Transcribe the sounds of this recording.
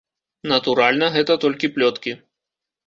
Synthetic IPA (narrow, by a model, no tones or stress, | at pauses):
nɐt̪uɾalʲnɐɣɛt̪ɐt̪ɔlʲkʲiplʲɔt̪kʲi